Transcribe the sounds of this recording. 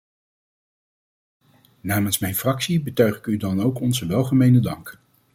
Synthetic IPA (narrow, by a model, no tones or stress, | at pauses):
naːmənsmɛjnfrɑksibətœɥχɪkydɑnowkɔnzəʋɛlˠχəmejnədɑŋk